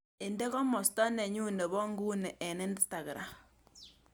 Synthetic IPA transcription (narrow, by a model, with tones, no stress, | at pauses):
e˨nde˦kɔ˦mɔ˨stɔ˦ne˨ɲu˦ne˨βɔ˦ŋɡu˦ne˨ʔːne˦ndi˦sta˨ɣɾa˨m